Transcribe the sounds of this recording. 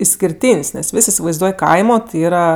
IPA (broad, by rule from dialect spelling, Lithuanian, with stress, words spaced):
ɪsʲkʲɪrʲˈtʲiːnʲsʲ nʲɛs ˈʋʲɪsʲ ɪsʲɪʋɐɪzˈduɔj ˈkɐɪmoː ˈiːrɐ